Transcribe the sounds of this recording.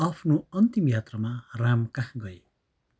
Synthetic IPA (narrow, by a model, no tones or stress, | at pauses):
ʌpʰnoʌnt̪imjat̪rʌmaramkahɡʌe